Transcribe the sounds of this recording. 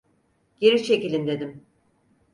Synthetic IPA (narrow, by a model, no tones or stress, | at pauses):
ɟ̥eɾit͡ʃʰecilʲind̪e̞d̪im